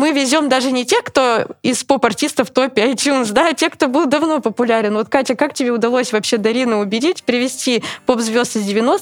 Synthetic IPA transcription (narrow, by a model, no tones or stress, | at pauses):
mɨvʲɪzʲo̞md̪aʐɨnʲɪtʲekt̪o̞ɪspopɐrtʲist̪əft̪o̞pʲɪɐjtʲjunsd̪atʲe̞kt̪o̞bɨlˠd̪ɐvno̞pəpʊlʲaɾʲɪnvo̞t̪katʲəkaktʲɪbʲeʊd̪ɐlˠosʲvɐpɕe̞d̪ɐɾʲinəʊbʲɪdʲitʲpʲɾʲɪvʲɪsʲtʲipo̞pzvʲo̞st̪ɨzʲdʲɪvʲɪnos